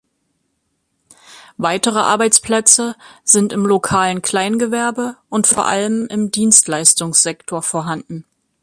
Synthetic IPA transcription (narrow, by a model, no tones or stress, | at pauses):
vaɪtəʁ̞əʔa̰ɐbaɪt͡spl̥ɛt͡səzɪntɪmlokʰaːlənkʰl̥aɪnɡəvɛɐbəʔʊntfoːɐʔa̰ləmɪmdiːnstlaɪstʊŋsz̥ɛktʰoːɐfoːɐɦandn̩